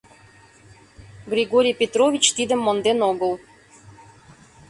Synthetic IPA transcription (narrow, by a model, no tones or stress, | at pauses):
ɡrʲiɡoɾʲijpʲet̪rovʲit͡ɕt̪id̪ə̆mːond̪enoɣəl